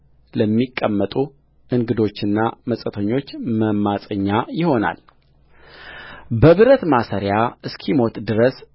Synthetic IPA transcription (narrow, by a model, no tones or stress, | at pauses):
ləmːikʼːəmːət̪ʼu | ʔɨŋɡɨd̪o̞t͡ʃːɪnːaməsʼət̪ʰəɲːo̞t͡ʃːməmːasʼəɲːajɪho̞na̰l | bəβɨɾət̪masəɾjaɨskʰimo̞t̪d̪ɨɾəs